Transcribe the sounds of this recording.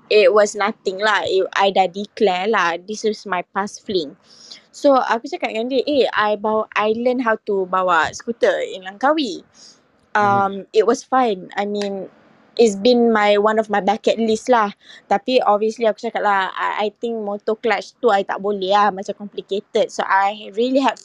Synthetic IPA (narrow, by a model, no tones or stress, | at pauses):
it̚wɔsnat̪ĩŋlahia̰jdadiklɛlahd̪isɔsmajpasflĩŋ | soa̰kut͡ʃakat̚ŋãndəʔeajbawʔajləndɦawt̪ubawaskut̪əḭnlaŋkawi | ãmit̚wɔsfãjna̰jmĩn | ʔitsbĩnmajwãnɔfmajbakɛt̚listlaht̪apiɔbviəsliaku̥t͡ʃakat̚laha̰a̰jt̪ĩŋk̚mot̪oklat͡ʃt̪uajt̪a̰ʔ̚bolehahmãt͡ʃãmkɔmpliket̪əd̚so̰ʔajɹiəliɦɛd